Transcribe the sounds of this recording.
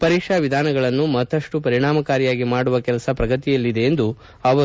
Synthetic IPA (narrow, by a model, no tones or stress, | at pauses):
pɐɾiːkʂaʋid̪ʱaːnɐɡɐɭɐnːumɐt̪ːɐʂʈupɐɾiɳaːmɐkaːɾijaːɡimaːɽuʋɐkɛlɐsɐpɾɐɡɐt̪ijɐlːid̪e̞ːnd̪u | ɐʋɐ